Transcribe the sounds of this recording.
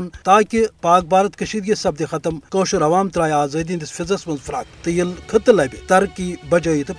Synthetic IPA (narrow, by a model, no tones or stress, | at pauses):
nt̪aːkʲipaːk̚baːɾɐt̪kɐʃiːd̪̚ɡʲisɐb̚d̪ixɐt̪ɐmkoːʃuɾɐʋaːmt̪ɾaːjaːzɐːd̪iːnd̪isfʲizɐsmɐnzfɾaːk̚t̪ɨjilkʰɨt̪ɨlɐːbʲit̪ɐɾkibɐd͡ʒɐːjit̪ɨ